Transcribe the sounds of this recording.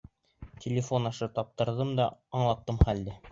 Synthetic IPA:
tʲʰɪlʲɪfo̞nɑʃɤt̪ɑp̚t̪ɤ̆ɾðɤmd̪ɑːɴlˠɑt̪ːɤmχæld̪ɘ

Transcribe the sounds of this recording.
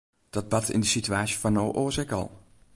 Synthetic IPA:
d̥ɔd̚bɑtʰɪ̰ndəsityaːsjəfanowʔoːzɛkɑ̰lˠ

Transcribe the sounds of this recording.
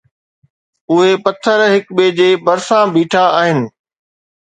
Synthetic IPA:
ʊɦepɐt̪ʰəɾɦɪkɓeːd͡ʑeːbɐɾsãbʱiːʈʰaaːɦɪnɪ̆

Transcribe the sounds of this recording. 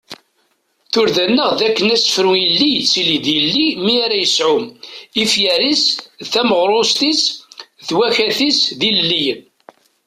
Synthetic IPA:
θʊɾðænːəʁðækːənæsfəɾwilːisiliðilːimiaɾæjəsʕʊmifjæɾisθæməʁɾˤʊst̪isθwæçæθisðilːij

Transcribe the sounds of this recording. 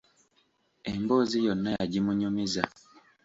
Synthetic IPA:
emboːzijonːajaɟimuɲumiza

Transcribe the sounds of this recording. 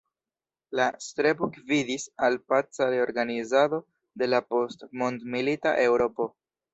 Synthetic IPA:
lastɾebukvidisalpat͡saɾe̞o̞ɾɡanizado̞ | de̞lapo̞stmondmilita̰ʔe̞wɾo̞po̞

